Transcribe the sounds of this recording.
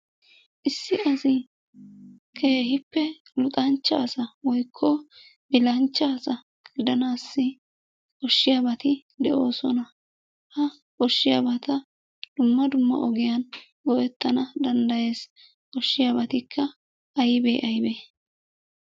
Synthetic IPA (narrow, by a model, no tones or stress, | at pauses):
ʔɪsːɪɐsɪ | kʰe̞ːhɪpːɛ | lʊt̪ʼɐnt͡ʃːɐ̰ːsɐwɔjkʰːɔ | bɪlɐnt͡ʃːaːsɐ | ɡ̥ɪd̪ɐnaːsːɪ | ʔɔʃːɪjabɐt̪ɪ | d̪ɛʔo̞ːsɔnɐ | hɐ | ʔɔʃːɪjabɐt̪ɐ | d̪̥ʊmːɐd̪ʊmːɐ̰ʔɔɡɪjɐn | ɡɔjɛt̪ːɐnɐd̪ɐnd̪ɐje̞ːs | kɔʃːɪjabɐt̪ɪkʰːɐ | ʔɐjbeːʔɐjbeː